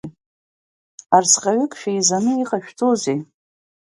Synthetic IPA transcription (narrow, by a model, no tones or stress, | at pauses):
arsqʲʼaɥʏkʼʃᶣajzanɨiqʼaʃᶣtʰoze